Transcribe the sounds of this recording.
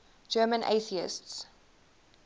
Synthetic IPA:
d͡ʒɜːmə̃nʔḛɪθiɪ̰sts

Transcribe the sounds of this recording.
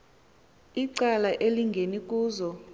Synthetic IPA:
iǀalaʔeliŋɡʱenik̬ʼuːzɔ

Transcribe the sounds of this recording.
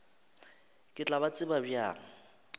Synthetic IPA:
kʼɪt͡ɬʼaβat͡sʼɪbabja̰ːŋ̩

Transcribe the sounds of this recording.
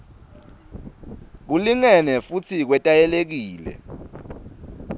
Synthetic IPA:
k̬uliŋɛnɛfut͡sʰik̬wɛtʼajɛlek̬iːlɛ̰

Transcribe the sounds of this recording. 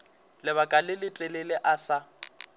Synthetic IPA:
lɪβakʼalɪlɪtʼɛlelɪʔasa

